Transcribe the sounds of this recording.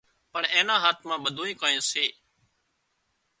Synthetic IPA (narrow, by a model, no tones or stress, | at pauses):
pəɳẽːnãːɦaːt̪ʰmãːɓəd̪ʱoːĩːkaːẽːseː